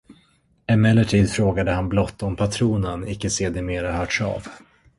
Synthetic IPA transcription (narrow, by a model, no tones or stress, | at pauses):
ɛmɛlːəʈʰiːd̪fɾoːɡad̪əhanblɔt̪ːɔmpʰat̪ʰɾuːnənɪkːəseːd̪ɪmeːɾahœːʈʂa̰ːv